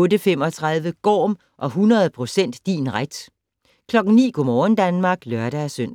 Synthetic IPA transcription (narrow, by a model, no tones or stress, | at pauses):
ɔ̽ːdəfem̰ɒ̽t͡sʰʁɑð̞ˠʋəɡ̥ɒ̰ːm | ʔɒ̽ɦunɐð̞ˠpʰʁo̝sen̰d̥ːḭːnʁad̥ | kʰlɒ̽ɡ̥n̩nḭːɡ̥ɔmɒːn̩d̥ænmɑ̈ːɡ̥lœɐɾ̥æsøn̰